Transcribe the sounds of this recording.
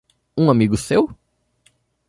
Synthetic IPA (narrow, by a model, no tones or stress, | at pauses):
ũamiɡʊsew